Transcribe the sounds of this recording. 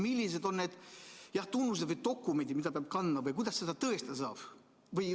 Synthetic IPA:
milʲːis̬e̞d̪o̞nːeːd̪̥jɑht̪unːus̬ed̪vɯjd̪o̞kːˑumenʲd̪imid̪ɑpeɑb̥̚kɑnːɑvɯjkujd̪ɑsːe̞d̪ɑt̪ɤest̪es̬ɑːb̥ | vɯj

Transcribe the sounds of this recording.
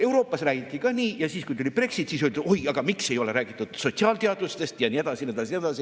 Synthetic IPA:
e̞wɾo̞ːpːˑɑsræːɡ̥it̪ˑːikɑːniːjɑsiːskujt̪ulʲib̥re̞ksit̪ˑːsiːsyld̪u̥ojɑɡ̥ɑmikse̞jo̞le̞ɾæːɡ̥it̪ːˑud̪̥so̞t̪siɑːlt̪eɑd̪̥ust̪e̞st̪jɑnie̞d̪̥ɑsined̪ɑsined̪ɑsi

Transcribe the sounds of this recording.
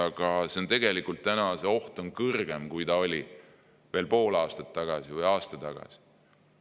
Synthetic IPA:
ɑɡ̥ɑse̞ont̪e̞ɡ̥e̞likːˑult̪ːænɑse̞o̞ht̪o̞nkɤrɡ̥e̞mkujt̪ɑo̞lʲi | ve̞ːlpo̞ːlɑːst̪ɑt̪ːɑɡ̥ɑsivɯjɑːst̪ɑt̪ɑɡ̥ɑ̰si̥

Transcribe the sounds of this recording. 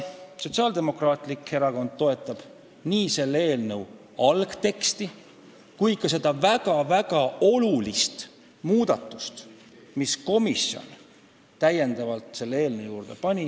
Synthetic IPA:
so̞t̪ʲsiɑːld̪e̞mo̞krɑːt̪ˑlike̞ɾɑko̞nd̪̥̚t̪o̞e̞t̪ːˑɑb̥ | niːse̞lːee̞ːlnəw | ɑlɡ̥t̪e̞kst̪i | kujkɑse̞d̪̥ɑvæɡ̥ɑvæɡ̥ɑo̞lulist̪ | muːd̪̥ɑt̪ːˑust̪ | misko̞misjo̞̰n | t̪æje̞nd̪ɑvɑlt̪se̞lːee̞ːlnewjuːɾd̪̥e̞pɑnʲi

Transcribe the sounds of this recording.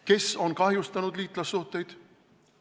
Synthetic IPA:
ke̞so̞nkɑɦjust̪ɑnud̪liːt̪ːˑlɑsːuht̪ːˑe̞jd̪̥

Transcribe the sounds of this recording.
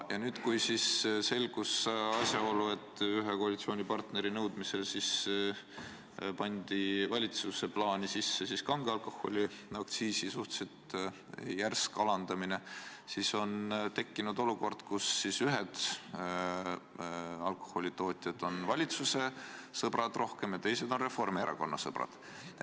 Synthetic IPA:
jɑnyːd̪̥kujsisse̞lɡ̥usɑsʲjɑo̞lue̞t̪ːˑyɦeko̞ɑlit̪sio̞ːnʲipɑrt̪ne̞ɾinɤwd̪̥mise̞lsis | pɑnʲd̪̥ivɑlʲit̪suse̞plɑːnisisːe̞siskɑŋɡ̥eɑlko̞hˑo̞̰lʲiɑkt̪siːsisuht̪set̪ | jærskɑlɑnd̪̥ɑmine̞siso̞nt̪e̞kːinud̪̥o̞luko̞rd̪̥kusːisyɦed̪̥ | ɑlko̞̥hˑo̞lʲit̪o̞ːt̪ʲˑjɑd̪̥o̞nvɑlʲit̪suse̞sɤb̥rɑd̪̥rʔo̞hke̞mjɑt̪e̞jse̞d̪̥o̞nre̞fo̞rmeɾɑ̰ko̞nːɑ̰sɤb̥rɑ̰d̪̥

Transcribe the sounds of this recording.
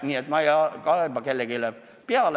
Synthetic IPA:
niːet̪mɑjɑkɑebɑkelːekilæ | piɑl

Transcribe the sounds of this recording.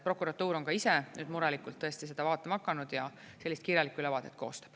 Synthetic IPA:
pro̞kːˑuɾɑt̪ːuːɾo̞ŋkɑisenyːd̪̥muɾɑlikːˑult̪ːɤ̞e̞st̪ise̞d̪̥ɑvɑːt̪ːˑemɑkˑːɑnud̪̥jɑ | se̞lːist̪̚kiːɾjɑlikuylevɑːt̪ˑet̪̚ːˑkoːst̪ɑ̥b̥

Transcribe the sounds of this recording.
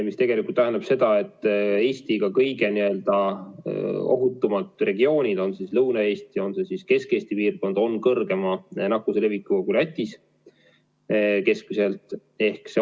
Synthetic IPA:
mist̪e̞ɡ̥elikult̪ːæɦend̪ɑb̥se̞d̪ɑe̞t̪ːˑe̞ːsʲt̪iɡ̥ɑkɤjɡe̞niø̞ld̪̥ɑ | o̞̰ɦut̪ːˑumɑt̪ˑre̞ɡio̞ːnʲid̪̥o̞nsislɤwnɑe̞ːst̪io̞nse̞siske̞ske̞ːsʲt̪ipiːrko̞nd̪̥o̞nkɤrɡ̥e̞mɑnɑkːusele̞vikːˑuɡulɑt̪ʲːˑis | ke̞skmise̞lt̪ˑ | e̞hkse

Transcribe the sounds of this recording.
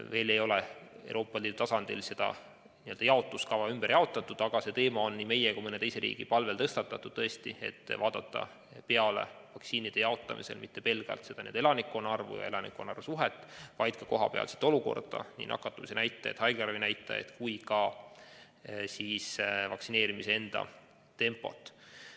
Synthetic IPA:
ve̞ːle̞jo̞leḛw̰ɾo̞ːpːˑɑliːd̥̪ut̪ɑsɑnd̪̥ilse̞d̪̥ɑ̰ | niø̞ld̪ɑjɑo̞t̪ːˑuskɑvɑymb̥erjɑo̞t̪ːˑɑt̪ːˑud̪̥ɑɡ̥ɑse̞t̪e̞ːmɑo̞nːiːme̞jekumɤne̞t̪e̞jse̞ɾḭːɡ̥ipɑlve̞lt̪ɤst̪ɑt̪ːˑɑt̪ːˑud̥̪̚t̪ɤ̞est̪ie̞̰t̪ːvɑːd̪̥ɑt̪ːɑ̰ | pe̞ɑle̞̰vɑksiːnʲid̪̥e̞jɑo̞t̪ˑːɑmḭse̞lmit̪ːe̞pe̞lɡ̥ɑ̰lt̪sed̥̪ɑnḛd̪e̞lɑnikːˑonɑrvṵjɑ̰e̞lɑnikːonːɑrvsuɦet̪ːˑvɑjd̪̥̚kɑko̞ɦɑ̰peɑ̰lsi̥t̪ːˑo̞luko̞̰rd̪̥ɑ̰nḭnɑ̰kːˑɑt̪ːˑumisenæjt̪ːˑɑet̪hɑjɡɑrvinæjt̪ːˑɑ̰ḛt̪kujkɑ | siːsvɑksine̞ːɾimisee̞nd̪̥ɑ̰ | t̪e̞mpːˑo̞̰t̪ːˑ

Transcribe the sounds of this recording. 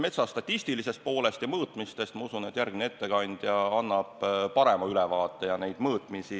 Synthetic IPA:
me̞t̪sɑst̪ɑt̪ʲːˑist̪ilise̞st̪̚po̞ːle̞st̪jɑmɤːt̪ˑmist̪e̞st̪mɑusune̞t̪ːˑjærɡminee̞t̪ːe̞kɑnʲd̪̥jɑɑnːɑb̥pɑɾe̞mɑylɛvɑːt̪ːˑe̞jɑne̞jd̪̥mɤːt̪ˑmisi

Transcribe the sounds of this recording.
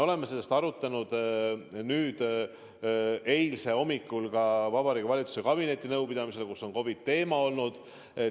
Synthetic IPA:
o̞le̞mːese̞lːest̪ɑɾut̪ːˑɑnud̪̥ | nyːd̪̥ | e̞jlse̞o̞mikːˑulkɑvɑbɑɾiɡvɑlʲit̪suse̞kɑbine̞t̪ʲːˑinɤwpid̪̥ɑmise̞lekusːo̞nko̞vit̪ːe̞ːmɑo̞lnud̪̥ | e

